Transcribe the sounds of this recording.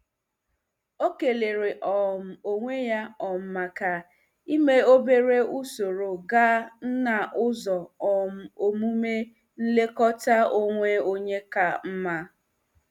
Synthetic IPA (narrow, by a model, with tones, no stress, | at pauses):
o˦ke˨le˨ɾe˨ʔɔ˨m̩˨o˦ŋʷe˦ja˦ɔ˨m̩˦ma˨ka˨ | i˦me˦o˦be˦ɾe˦u˦so˨ɾo˨ɡa˦n̩˦na˨ʔʊ˦zɔ˨ɔ˨m̩˨o˨mu˦me˦ | n̩˦le˦kɔ˦ta˦o˦ŋʷe˦o˦ɲe˦ka˨m̩˦ma˦